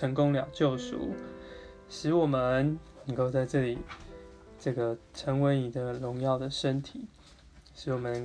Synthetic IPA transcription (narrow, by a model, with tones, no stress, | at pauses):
ə˧˥ŋkʊ˥ŋljɑ˨˩ʊt͡ɕjo˥˩ʊʂṵ˨˩˦ | ʂɻ̩˧˥wɔ˨˩mə˦nnə˧˥ŋko˥˧ʊt͡sa˥˧ɪʈ͡ʂɤ˥˩li˨˩˦ | ʈ͡ʂɤ˥˩ɡə˩ʈ͡ʂʰə˧˥ŋwe˧˦ɪni˨˩d̪ə˨lʊ˧˦ŋjɑ˥˩ʊd̪ə˩ʂə˦nt̪ʰi˨˦ | ʂɻ̩˧˦wɔ˨˩mə˦nə˧˦